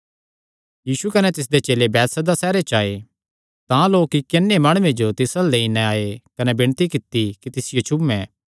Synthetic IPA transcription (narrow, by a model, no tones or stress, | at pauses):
jiːsukɐnɛt̪ɪs̬d̪et͡ʃeːlebɛːt̪sɐd̪asɛːɾet͡ʃaːe | t̪ãloːkɪkːenːemaːɽ̃uʋẽd͡ʒot̪ɪsaleːinɛaːekɐnebɪɽ̃t̪ikɪt̪ːikit̪ɪsɪjot͡ʃʰʊmɛ̃ː